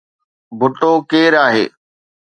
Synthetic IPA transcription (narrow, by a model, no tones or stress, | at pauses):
bʱʊʈoːkeːɾaːɦḛː